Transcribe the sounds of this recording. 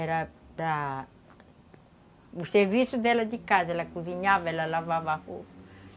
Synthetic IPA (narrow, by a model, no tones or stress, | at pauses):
eɾa | la | usevisud̪ɛlad͡ʒikazelakuziɲavelalavavahu